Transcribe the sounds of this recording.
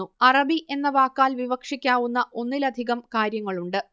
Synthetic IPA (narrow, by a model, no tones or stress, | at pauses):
uɐrɐbiʔe̞nːɐʋaːkːaːlʋiʋɐkʂikʲːaːʋunːɐʔo̞nːilɐd̪ʱiɣɐmkaːɾjɐŋːɐɭuɳɖɨ